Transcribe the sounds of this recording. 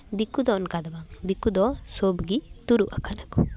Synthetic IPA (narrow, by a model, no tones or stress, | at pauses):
d̪ikud̪ɔnkad̪abaŋd̪ikud̪ɔsobɡit̪uɾuʔakʰanakɔ